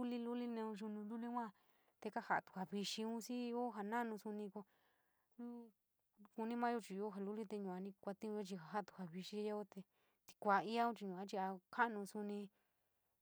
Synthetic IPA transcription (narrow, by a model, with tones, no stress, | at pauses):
u˦li˧lu˦li˦nẽ˧ũ˧ʒu˧nũ˧lu˦li˦kʷã˦ | t̪e˧ka˦ha˧˨t̪u̥˨ha˨βi˧ʃi˧ũ˦si˦˧o˦ɦa˧nã˦˧nũ˧su˧nĩ˧ko˧ | nũ˦ | ku˧nĩ˦mã˦jo˦˧t͡ʃi˧˨˧o˦ɦa˧lu˦li˦t̪e˧ɲũ˨ã˧nĩ˧kʷa˧t̪ĩ˦ũ˧o˦t͡ʃi˧ɦa˨ɦa˦˧t̪u̥˨ha˨βi˧ʃi˧˦a˦o˦t̪e˧ | t̪i̥˧kʷa˨i˦a˦ũ˦t͡ʃi˧ɲũ˨ã˧t͡ʃi˧a˧kʰa˦ʔnũ˧su˧nĩ˧